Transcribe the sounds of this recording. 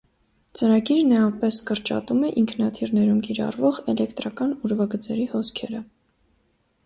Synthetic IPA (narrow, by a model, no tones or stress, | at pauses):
t͡səɾɑɡiɾnɑjɑpɛskəɾt͡ʃɑ̰t̪umɛʔiŋkʰnɑt̪ʰiɾnɛɾumkiɾɑ̰rvɔʁɛlɛkt̪ɾɑkɑnuɾvɑɡət͡sɛɾihɔskʰɛɾə